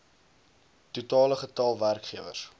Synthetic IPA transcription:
tutɑːləχətɐlˠværkχiəvə̰s

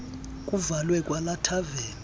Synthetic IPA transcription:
k̬ʼuvalwɛkʼwalatʰaveːn

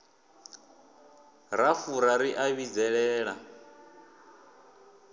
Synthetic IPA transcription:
ɾafuɾaɾiʔaβid͡zɛɺɛːɺa̰

